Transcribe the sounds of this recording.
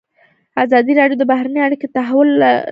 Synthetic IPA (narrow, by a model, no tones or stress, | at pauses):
azɑd̪iɾɑɖjod̪əbahɾanəjaɽikot̪aɦawʊla